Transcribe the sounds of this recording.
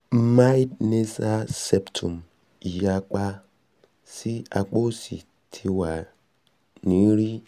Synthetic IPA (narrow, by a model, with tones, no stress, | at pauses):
m̩˦ma˦i˦dne˦sa˦se˦ptʰu˨m | i˨ja˦k͡pa˦ | si˦a̰˨k͡po˦sḭ˨ | tʰi˦wa˨ | ni˨˦ɾi˦